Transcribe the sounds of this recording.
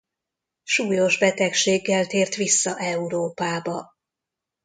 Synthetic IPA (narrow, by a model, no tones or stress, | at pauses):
ʃuːjo̞ʒbɛt̪ɛkʃeːɡːɛlt̪eːrt̪ʋisːɒʔɛuɾoːpaːbɒ